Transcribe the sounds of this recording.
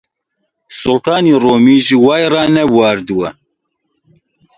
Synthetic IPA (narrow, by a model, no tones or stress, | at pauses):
sʊlt̪ʰɑːniːroːmiːʒiwɑːjrɑːnɛwɑːɾd̪uwɛ